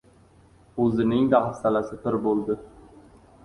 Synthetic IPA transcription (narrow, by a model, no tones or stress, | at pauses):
ɵzɪnɪŋd̪ahast̪alasɪp̪ʰɪɾbolˠd̪ɪ